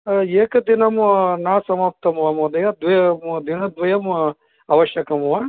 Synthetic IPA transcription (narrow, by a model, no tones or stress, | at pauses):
eːkɐd̪inɐmnaːsɐmɐp̚t̪ɐmʋɐmod̪ɐjɐd̪ʋɐjɐmd̪inɐd̪ʋɐjɐm | ɐʋɐʃjɐkɐmuʋa